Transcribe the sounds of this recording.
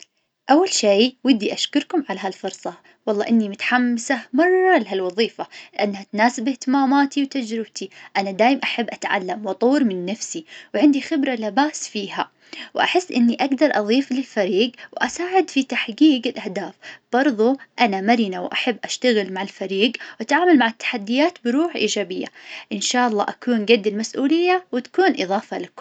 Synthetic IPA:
ʔawːalʃejwɪd̪ːiʔaʃkʊɾkʊmʕalaɦalfʊɾsˤɑ | wɑlˤːɑːʔɪnːimʊt̪ħamːɪsahmɑrˤːɑlɦalwɑðˤiːfalɪʔanːhat̪naːsɪbɪht̪ɪmaːmaːt̪iwt̪ad͡ʒɾɪb̚t̪iʔanad̪aːjɪmʔaħabːʔat̪ʕa̰lːamwɑt̪ˤuːɾmɪnːafsiwʕɪnd̪ixɪbɾalɪbaːsfiːha | wʔa̰ħɪsːʔɪnːiʔaɡd̪ɑɾˤʔɑðˤiːflɪlfaɾiːɡwʔasaːʕɪd̪fit̪aħɡiːɡɪlʔahd̪aːfb̥ɑɾˤðˤuʔanamaɾinawʔa̰ħabːʔaʃt̪aɣɪlmaʕɪlfaɾiːɡwʔat̪ʕaːmalmaʕɪt̪ːḁħad̪ːɪjaːt̪bɪɾuːħʔḭːd͡ʒaːbɪjːa̰ʔɪnʃaːʔɑlˤːɑ̰ːʔakuːnɡad̪ːɪlmasʔuːlɪjːawɪt̪ḁkuːnʔɨðˤɑːfɑlak

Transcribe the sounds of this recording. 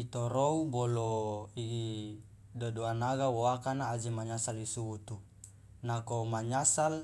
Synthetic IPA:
it̪oɾouboloiɡi | dodoanaɡawoakanaːd͡ʒimaɲasalisuwut̪u | nakomaɲasal

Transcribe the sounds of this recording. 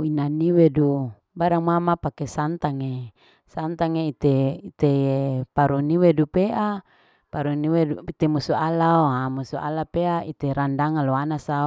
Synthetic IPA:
inaniwedu | baɾaŋmamapakesant̪aŋe | sant̪aŋeit̪eit̪ejepaɾuniwedupeʔa | paɾuniweuit̪emusualaoamusuʔa̰lapeaʔit̪eɾandaŋaloanasa

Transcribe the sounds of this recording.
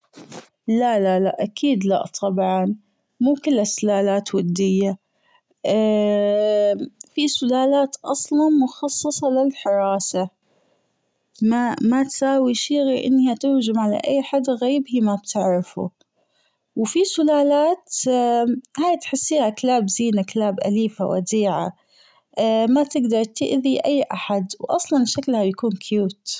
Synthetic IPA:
lalalaʔakʰiːd̪la̰ʔt̪ˤʰɑbʕɑn | muːkɪlːasʊlaːlaːt̪wad̪ːɪjːa | fisʊlaːlaːt̪ʔɑsˤlɑnmʊxɑsˤːɨsˤɑlɪlħɪɾˤɑːsa | mamat̪saːwiʃiːɣiʔɪ̰nːhat̪ʊɾd͡ʒɪmʕala̰ʔajːħad̪ɣabhimab̚t̪ʰɪʕɾɪfṵ | wfisʊlaːlaːt̪ | haːjt̪ħɪsːiːhakalaːbziːnakalaːbʔa̰liːfa̰wa̰d̪iːʕa̰ | mat̪ɪɡd̪ɑɾˤt̪ɪʔðiʔajːʔaħad̪wʔɑsˤlɑnʃaklhabjakuːnkʰjuːt̪

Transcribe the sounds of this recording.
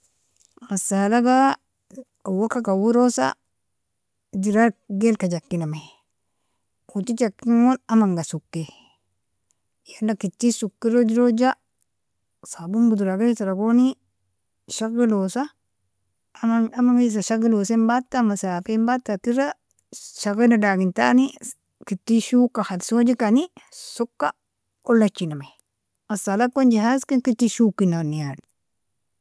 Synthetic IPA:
ɣasalaɡa | awokakawuɾosa̰ | d͡ʒiɾaɡelkad͡ʒakːiname | utid͡ʒakːiŋwolamaŋɡasukːe | jandakitːisukːiɾod͡ʒiɾod͡ʒa | sabumbuduɾaɡajisaɾaɡoni | ʃaɡilosa | mamaŋiis̬aʃaɡilosembatːamasafembatːakiɾa | ʃaɣinadaɡinta̰ni | kitːiʃukːaxadsod͡ʒikanisukːa̰ | olːat͡ʃːinamaj | asalakːond͡ʒiɦaskinkitːiʃukːinaniali

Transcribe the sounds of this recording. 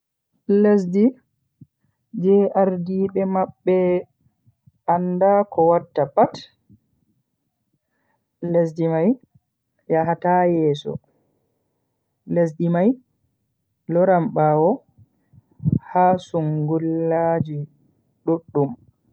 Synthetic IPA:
les̬di | d͡ʒɛʔaɾdiːɓɛmaɓːɛ | andakɔwatːapat | les̬dimaj | jaɦatajɛːsɔ̰ | les̬dimaj | lɔɾamɓawɔ | hasuŋɡulːad͡ʒi | ɗuɗːum

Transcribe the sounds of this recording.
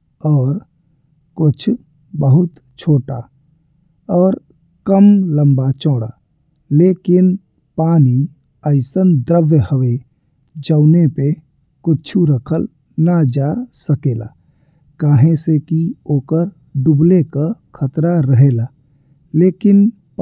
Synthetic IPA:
ɔːɾ | kʊt͡ʃʰ | bəɦʊt̪ | t͡ʃʰoːʈa̰ | ɔːɾ | kəmlə̃mbat͡ʃɔːɽa̰ | leːkɪn | paːni | əɪsənd̪ɾəʋjəhəʋe | d͡ʒəːnepe | kʊt͡ʃʰuɾəkʰəl | nad͡ʒasəkeːla̰ː | kaːɦẽsekioːkəɾ | ɖʊblekakʰət̪ɾaɾəɦeːlaː | leːkɪn

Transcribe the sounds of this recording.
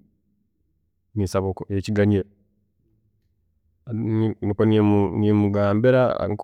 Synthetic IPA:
nisaβokoeciɡaɲe | nnikoniemunemuɡaːmbeɾa̰ŋk

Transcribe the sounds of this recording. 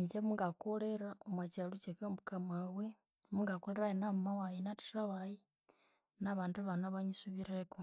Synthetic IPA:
ɲɟemuŋɡakoleɾaomwat͡ʃalut͡ʃekambukamawe | muŋɡakoleɾajenamawajinati̥raβaji | naβaːnduβanaβaɲisuβiɾeko

